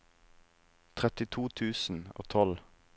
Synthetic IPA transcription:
t̪ʰʁɛt̪ɪt̪ʰuːt̪ʰʉːsn̩o̰ːt̪ʰɔl

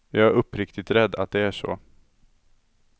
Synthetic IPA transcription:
jɑːɡæɾɵpːɾɪkt̪ɪt̪ɾɛd̪ːa̰t̪̚d̪ɛæʂɔ̰

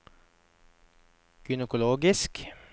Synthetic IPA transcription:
ɡ̥ʏnəkʊloːɡɪsk

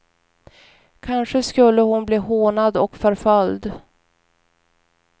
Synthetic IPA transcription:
kʰanʂəskɵlːəhʊnbliːɦoːnad̪ɔkfœɾfœld̪

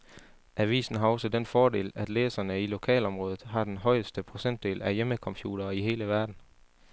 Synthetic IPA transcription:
ʔæʋḭːsn̩ɦɑ̈ɒ̽sədenfɒːde̝̰ːlæd̥leːsɐnəilo̝kʰɛ̰ːlɒ̽mʁɔ̽ːð̞ˠð̩ˠɦɑ̈d̥enɦɒ̽ɪəsd̥əpʰʁo̝sen̰d̥e̝̰ːlæjeməkʰɒ̽mpʰjṵːɾ̥ɐːiɦe̝ːləʋæɐd̥n̩

